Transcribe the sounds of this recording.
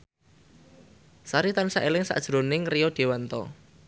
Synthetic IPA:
saɾit̪ansaʔelɪŋsa̰ʔd̥ʒ̥ɾonɪŋrijɔɖ̥e̤want̪ɔ̰

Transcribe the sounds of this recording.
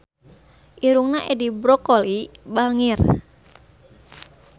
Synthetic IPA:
ʔiɾuŋnaʔedibɾɔkolibaŋir

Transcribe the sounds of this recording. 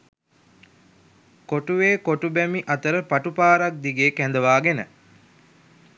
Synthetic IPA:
koʈuʋeːkoʈubɛmiʔɐt̪əɾəpaʈupaːɾak̚d̪iɡeːkænd̪əʋaːɡenə

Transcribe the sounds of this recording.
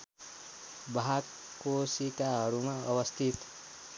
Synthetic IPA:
bʱakː | osikaɦʌɾumaʌbʌst̪ʰit̪

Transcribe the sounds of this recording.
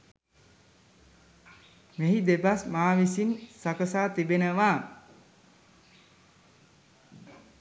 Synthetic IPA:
meɦid̪ebasmaːʋisinsakəsaːt̪ibenəʋa

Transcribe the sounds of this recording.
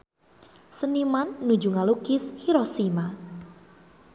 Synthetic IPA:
sənimanːud͡ʒuŋalukɪshiɾɔsima

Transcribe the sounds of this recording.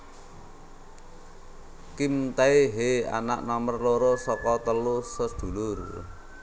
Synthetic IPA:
kimt̪ɛeɦea̰na̰ʔnamərloɾosɔkɔt̪əlusɔsd̪̥ṳlʊr

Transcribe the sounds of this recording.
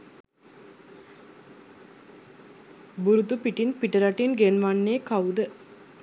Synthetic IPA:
buɾut̪upiʈinpiʈəɾaʈinɡenʋanːeːkaud̪ə

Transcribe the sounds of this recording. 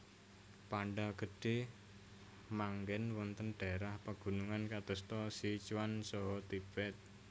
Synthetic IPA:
paɳɖaɡ̥ə̤ɖ̥e | maŋɡɛnwɔnt̪ənɖ̥aɾahpaɡ̥ṳnuŋankad̪̥ə̤st̪ɔsit͡ʃwansɔɦɔt̪ib̥ɛt̪̚

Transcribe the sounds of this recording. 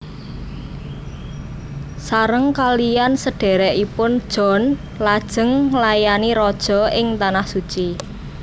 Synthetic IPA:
saɾəŋkalijansəɖ̥e̤ɾɛʔipʊnd̥ʒ̥ɔ̤n | lad̥ʒ̥ə̤ŋlajaniɾɔd̥ʒ̥ɔ̤ʔɪŋt̪anahsut͡ʃi

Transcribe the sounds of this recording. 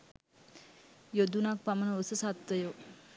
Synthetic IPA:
jod̪unak̚pamənəosəsat̪ʋəjo

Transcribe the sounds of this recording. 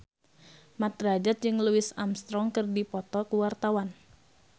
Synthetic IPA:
mat̪̚ɾad͡ʒat̪̚d͡ʒɨŋluɪsamst̪ɾɔŋkɨrdipɔt̪ɔkuwart̪awan

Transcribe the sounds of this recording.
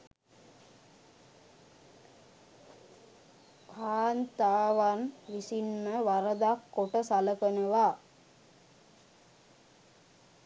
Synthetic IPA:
kaːnt̪aːʋanʋisinməʋaɾəd̪akːoʈəsaləkənəʋa

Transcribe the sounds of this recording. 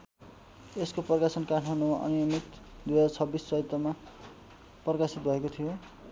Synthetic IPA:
eskoprʌkasʌnkarʰmanumaʔʌ̰nijʌmit̪d̪ujɦʌd͡zat͡sʰʌbːisːʌɦit̪ːʌma | prʌkasit̪̚bʱʌekot̪ʰijo

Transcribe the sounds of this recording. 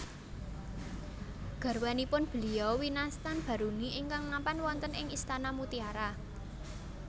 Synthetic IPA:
ɡ̥a̤rwanipʊnb̥ə̤liɔwinast̪anb̥a̤ɾuniʔɪŋkaŋmampanwɔnt̪ənɪŋist̪anamut̪iaɾa

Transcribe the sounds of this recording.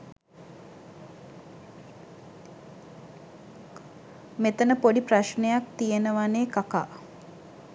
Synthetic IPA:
met̪ənəpoɖipraʃnejak̚t̪ijenəʋaneːkaka̰ː

